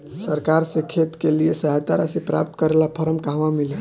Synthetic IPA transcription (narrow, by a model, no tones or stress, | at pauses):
səɾkaɾsẽkʰet̪keliesəɦat̪aɾasẽpɾa̰p̚t̪kəɾelapʰəɾəmkaɦʋamile